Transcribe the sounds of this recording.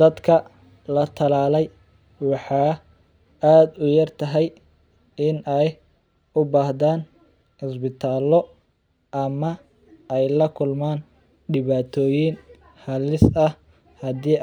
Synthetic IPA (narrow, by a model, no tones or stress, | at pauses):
d̪̥ɐd̪kʰɐ | lɐt̪ʰɐlaːlɛj | wɑħɑː | aːd̪ʊjɐrt̪ʰɐɦɛj | ɪnɛj | ʊbaːhdaːn | hʊsbɪt̪ʰaːlɔ | ʔɐmɐ | ʔɛjlɐkʰʊlmaːn | ɖɪβaːt̪ʰɔːjɪn | hɐlɪsɐh | hɐd̪iː